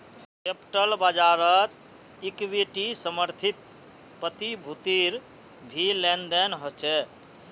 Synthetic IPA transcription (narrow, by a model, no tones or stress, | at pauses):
kepʈəlbəd͡ʒaɾət̪ | ikwiʈisəməɾt̪ʰit̪ | pət̪ibʱut̪iɾ | bʱilend̪enɦɔt͡ʃʰɛ